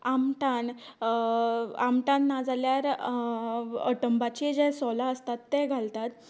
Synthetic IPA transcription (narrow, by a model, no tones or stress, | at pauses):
amʈan | amʈãnːad͡zaljaɾ | ə̰ʈəmbat͡ɕed͡ʑɛ̃sɔlaəst̪at̪ːeɡʱalt̪at̪